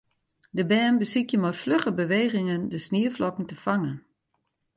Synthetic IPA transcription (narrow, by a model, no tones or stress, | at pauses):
dəbɛːnbəsikjəmɔjfløχəbəʋeːɣɪŋəndəsniəflɔkn̩təfaŋən